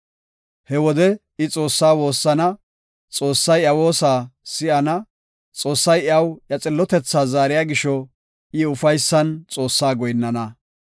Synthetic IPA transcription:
hɛwɔd̪ɛ | ɪt͡sʼo̞ːsːaːwo̞ːsːɐnɐ | t͡sʼo̞ːsːɐjɐwo̞ːsaːsɪʔɐnɐ | t͡sʼo̞ːsːɐjɐwjɐt͡sʼɪlːɔt̪ɛt͡sːaːzaːɾɪjaːɡɪʃɔ | ɪʊfɐjsːɐnt͡sʼo̞ːsːaːɡɔjnːɐnɐ

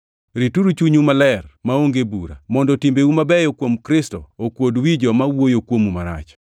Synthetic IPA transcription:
ɾituɾut͡ʃuɲumalɛrmaoŋɡebuɾa̰mɔndɔtimbeumabɛjokwomkɾɪstɔokwodwid͡ʒɔmawojokwomumaɾa̰t͡ʃ

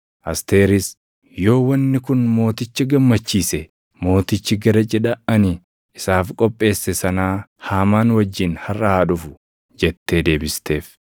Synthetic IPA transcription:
ʔɐst̪e̞ːɾɪs | jo̞ːwɐnːɪkʊnmo̞ːt̪ɪt͡ʃːɪɡɐmːɐt͡ʃːiːsɛ | mo̞ːt̪ɪt͡ʃːɪɡɐɾɐt͡ʃʼɛᶑɐʔɐnɪ | ɪsaːfkʼɔpʼːe̞ːsːɛsɐnaːhaːmaːnwɐd͡ʒːɪnhɐrːɐhaːᶑʊfʊ̥ | d͡ʒɛt̪ːe̞ːd̪e̞ːbɪst̪ʰe̞ːf

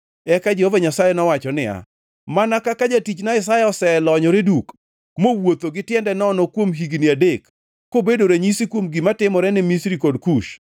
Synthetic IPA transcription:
ɛkad͡ʒehovaɲasajɛnɔwat͡ʃɔnɪa̰ | manakakad͡ʒatit͡ʃnaɪsajɛɔsɛlɔɲɔɾeduk | mowot̪oɡɪtjɛndɛnɔnɔkwomɦiɡnɪadekː | obedoɾeɲisikwomɡimatɪmɔɾɛnɪmisɾikodkuʃ

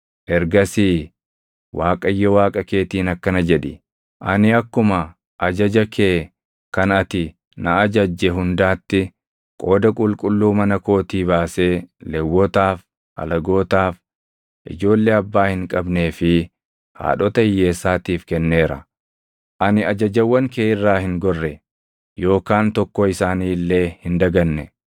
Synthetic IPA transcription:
ʔɛɾɡɐsiː | waːkʼɐjːɔwaːkʼɐke̞ːt̪iːnɐkːɐnɐd͡ʒɛᶑɪ | ʔɐnɪɐkːʊmɐ | ʔɐd͡ʒɐd͡ʒɐkʰeː | kɐnɐt̪ɪ | nɐɐd͡ʒɐd͡ʒːɛɦʊnd̪aːt̪ːɪ | kʼo̞ːd̪ɐkʼʊlkʼʊlːuːmɐnɐko̞ːt̪iːβaːse̞ːlɛwːɔt̪aːf | ʔɐ̰lɐɡo̞ːt̪aːf | ʔɪ̰d͡ʒo̞ːlːeːɐbːaːhɪŋkʼɐbne̞ːfɪ | ha̰ːᶑɔt̪ɐɪjːe̞ːsːaːt̪iːfkɛnːe̞ːɾɐ̰ | ʔɐnɪɐd͡ʒɐd͡ʒɐwːɐŋkeːɪrːaːhɪŋɡɔrːɛ | jo̞ːkaːnt̪ɔkːɔɪsaːniːlːe̞ːhɪnd̪ɐɡɐnːɛ

